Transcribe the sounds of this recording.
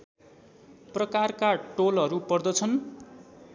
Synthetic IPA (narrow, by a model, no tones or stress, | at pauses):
prʌkarkaʈolɦʌɾupʌrd̪ʌt͡sʰʌn